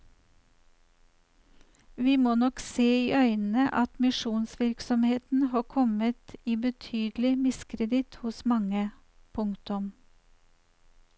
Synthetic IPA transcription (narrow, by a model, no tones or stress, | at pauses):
ʋiːmoːnɔkseːiːʔœʏnn̩əʔɑt̪mɪʃuːnsʋɪɾksɔmheːt̪n̩hɑːkʰɔmət̪iːbət̪ʰyːd̪lɪmɪskɾəd̪ɪt̪hʊsmɑŋə | pʰʊŋt̪ʊm